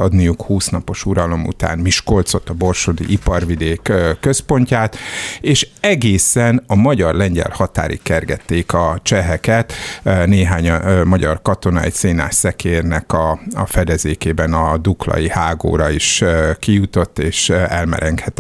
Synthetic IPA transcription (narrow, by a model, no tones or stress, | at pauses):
ɒd̪nijukhuːsnɒpo̞ʃuɾɒlo̞mṵt̪a̰ːnmiʃko̞lt̪so̞t̪ːɒbo̞rʃod̪ḭʔipɒrʋid̪eːkːkːø̞spo̞ɲcaːt̪eːʃɛɡeːsɛnɒmɒɟɒrlɛɲɟɛ̰lhɒt̪a̰ːɾʔḭkɛrɡɛt̪ːeːkɒt͡ʃɛɦɛkɛt̪neːɦaːɲmɒɟɒrkɒt̪o̞nɒɛ̰cseːna̰ːssɛkeːrnɛkɒfɛd̪ɛzeːkeːbɛnɒd̪uklɒ̰jihaːɡo̰ːɾɒiʃkijut̪o̞t̪ːeːʃɛlmɛ̰ɾʔɛŋkhɛt̪